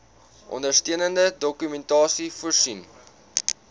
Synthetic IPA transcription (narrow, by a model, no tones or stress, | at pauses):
ʔɔ̰ndərstiənəndədɔkymɛntɑːsifuərsin